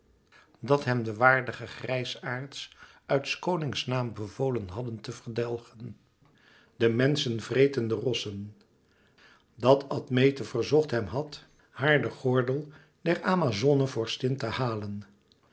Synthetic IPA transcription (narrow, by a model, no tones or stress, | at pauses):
dɑtɦɛmdəʋaːɹdəχəχrɛjsaːɹts | œɥtskownɪŋsnaːmbəvowlənɦɑdəntəvəɹdɛlˠχən | dəmɛnsənvrejtəndərɔsən | dɑtʰɑtmejtəv̥əɹzɔχtɦɛmɦɑt | haːɹdəχɔɹdəlˠ | dɛraːmazonəvɔɹstɪntəhaːlən